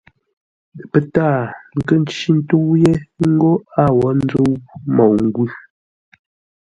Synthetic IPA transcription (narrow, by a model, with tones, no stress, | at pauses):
pə˦taː˦˨ŋ̩˨kə˦˨n˦t͡ʃi˦n̩˦tu˦wje˦ŋ̩˦ɡo˦a˦˨wɔ˨˦n˦d͡zo˦wmɔ˨wŋ̩˨˦ɡʉ˦